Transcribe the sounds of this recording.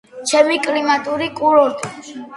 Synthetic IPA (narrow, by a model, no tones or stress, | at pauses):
t͡ʃʰɛmikʼlimat̪ʼuɾikʼulɔɾt̪ʼi